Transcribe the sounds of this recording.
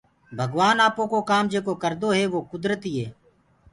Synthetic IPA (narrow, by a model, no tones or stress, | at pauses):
bʱəɡʋaːnaːpõːkoːkaːmd͡ʒeːkoːkəɾd̪oːɦɛːʋoːkʊd̪ɾət̪iːɦeː